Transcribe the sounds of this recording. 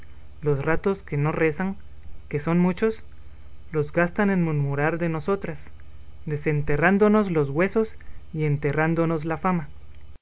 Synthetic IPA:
lo̞srat̪o̞ske̞no̞re̞saŋ | ke̞so̞nmut͡ʃo̞s | lo̞zɣast̪ane̞nmuɾmuɾaɾðe̞no̞so̞t̪ɾas | d̪e̞se̞nt̪e̞rand̪o̞no̞zlo̞zɣwe̞so̞s | ie̞nt̪e̞rand̪o̞no̞zlafama

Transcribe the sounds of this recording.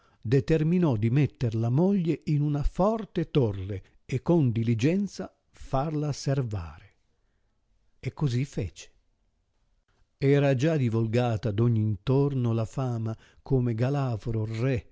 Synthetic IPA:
d̪et̪erminɔd̪imɛt̪ːerlamɔʎːeinunafɔrt̪et̪orːe | ekːond̪ilid͡ʒɛnt̪sa | farlaserva̰ːɾe | ɛkːozifɛːt͡ʃe̥ | ɛːɾad͡ʒad̪ivulɡaːt̪ad̪ɔɲːiːnt̪ornolafaːma | kʰoːmeɡalafɾorɛ

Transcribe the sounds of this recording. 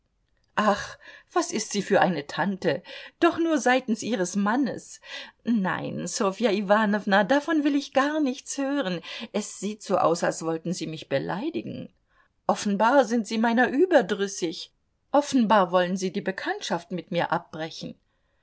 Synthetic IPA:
ʔaχv̥asɪstz̥iːfyːɐʔaɪnətʰantəd̥ɔχnuːɐzaɪtn̩sʔiːʁ̞əsmanə̰s | na̰ɪnsofiaivaːnɔvnadafɔnvɪlɪçɡ̥aɐnɪçt͡shøːʁənʔɛsz̥iːtz̥oːʔa̰ʊsa̰lsv̥ɔltn̩ziːmɪçb̥əlʔa̰ɪdɪɡŋ̩ | ʔɔfn̩baːɐzɪntz̥iːmaɪnɐʔyːbɐdʁʏsɪç | ʔɔfn̩baːɐvɔlənziːdiːbəkʰantʃaftmɪtmiːɐʔap̚b̥ʁɛçn̩

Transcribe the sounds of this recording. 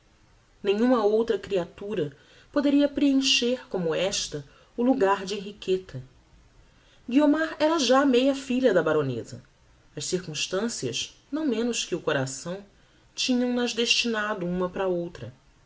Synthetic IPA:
nẽɲ̃ũmɐowt̪ɾɐkɾiat̪uɾɐ | pod̪eɾiɐpɾeẽʃeɾkõmʊɛʃt̪ɐ | ʊluɡaɾd͡ʒɪeɦiket̪ʰɐ | ɡiomaɾɛɾɐʒaːmejɐfiʎɐd̪ɐbaɾonḛzɐ̰ | ɐʃsiɾkũʃt̪ɐ̃siɐ̰ʃnɐ̃w̃mẽnʊʃkɪʊkoɾasɐ̃w̃ | t͡ʃĩɲɐ̃w̃nɐzd̪eʃt͡ʃinad̪ʊũmɐpɾɐowt̪ɾɐ

